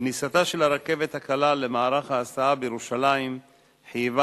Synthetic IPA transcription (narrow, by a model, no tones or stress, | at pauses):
nisat̪aʃe̞laɾake̞ve̞t̪hakalale̞maaɾaχhaːsaabejeʁuʃalaim | ħijva